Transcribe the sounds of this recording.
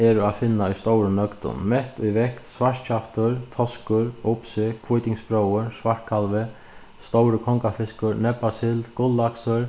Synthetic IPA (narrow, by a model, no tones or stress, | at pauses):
ɛɾaðfɪnːaujst̪owɾənœkt̪ʊ̰nmɛht̪ʊjvɛhkt̪sʋaʂt͡ɕʰaft̪ʊɾt̪ʰɔskʊɾʊpsɪkʰʋujt̪ɪŋspɾowəɾsʋaɹ̥kʰalʋɪ | st̪owɾəkʰɔŋkafɪskʊɾnɛpːasɪlt̪kʊlːaksʊɾ